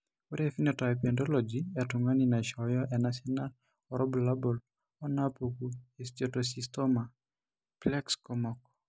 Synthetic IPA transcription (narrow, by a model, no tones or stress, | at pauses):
wuɾɛfinɔtajpɔndɔlɔd͡ʒiɛtʊŋaninaʃɔjɔʔɛnasɔnal | ɔɾʔɔbulabɔl | ɔnapokuest͡ʃɔtɔsistɔma | plɛkskɔmɔkɔ